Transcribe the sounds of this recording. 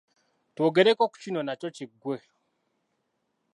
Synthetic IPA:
twoːɡeɾekoku̥cinonat͡ʃot͡ʃiɡwe

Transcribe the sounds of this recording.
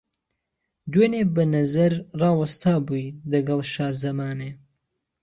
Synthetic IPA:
d̪weːnebɐnɐzɐɾrɑːwɐst̪ʰaːbujlɐɡɐlˠʃaːzɐmaːneː

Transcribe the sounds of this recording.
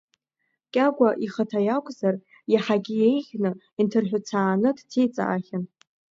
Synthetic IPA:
kʲʼaɡʷaʔiχətʰajakʷʼzar | jaħaɡʲijejʁʲnɨ | intʰɨrħᶣʊt͡sʰaːnɨdtʰejt͡sʼa̰ʔaχʲɪn

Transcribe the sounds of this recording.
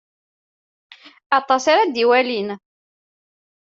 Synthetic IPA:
ɑt̪ˤːɑsaɾad̪iwælin

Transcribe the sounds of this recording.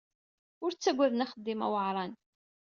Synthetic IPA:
ʊɾt͡sːæɡʷæðənaχəd̪ːɪmæ̰wəʕɾˤɑn

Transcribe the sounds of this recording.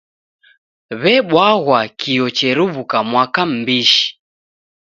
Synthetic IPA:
βɛɓwaɣwakijɔt͡ʃɛɾuβukamwakam̩biʃi̥

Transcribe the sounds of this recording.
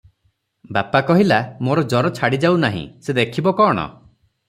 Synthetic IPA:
bapakɔɦilamoɾɔd͡ʒɔɾɔt͡ʃʰaɽid͡ʒawnaɦḭ̃sed̪ekʰibɔkɔːɽ̃ɔ̰

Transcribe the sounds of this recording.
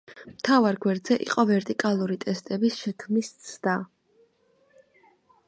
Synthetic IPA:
mt̪ʰavaɾɡwɛɾd̪zɛʔḭqʼɔvɛɾt̪ʼikʼalˠuɾit̪ʼɛst̪ʼɛbisʃɛkʰmist̪sʰd̪a

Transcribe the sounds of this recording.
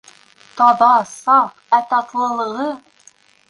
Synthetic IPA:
t̪ɒbɑsɑq | æt̪ɑt̪lˠɤ̆lˠɤ̆ʁɤ

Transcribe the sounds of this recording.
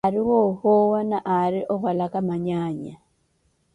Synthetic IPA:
aɾiwoxowanaʔaɾiʔoxolakamaɲaːɲa

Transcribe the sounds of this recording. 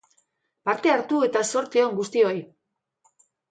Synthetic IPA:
paɾt̪e̞aɾt̪ue̞t̪aso̞ɾt͡s̪ioŋɡust̪io̞j

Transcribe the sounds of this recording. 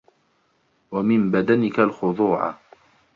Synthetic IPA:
wamɪmbad̪anɪkalxʊðˤuːʕa̰

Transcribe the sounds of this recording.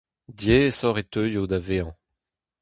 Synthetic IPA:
djesɔʁet̪øjod̪aveɑ̃

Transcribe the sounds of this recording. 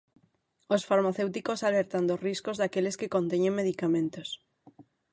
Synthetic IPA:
osfaɾmaθewt̪ikosaleɾt̪and̪osriskozðakeleskekõnt̪eɲeŋmeð̞ikamẽnt̪os

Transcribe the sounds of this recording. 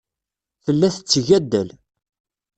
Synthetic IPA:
θəlːæθə̥t͡sːʝæd̪ːæl

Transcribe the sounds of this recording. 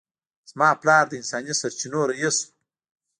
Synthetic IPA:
z̥mɑːplɑːɾd̪əɪnsɑːnisaɾt͡ʃinoɾajisu̥

